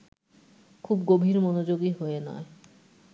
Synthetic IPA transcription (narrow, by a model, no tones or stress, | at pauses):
kʰubɡobʱiɾmɔnod͡ʑoɡiɦoenɔ̰e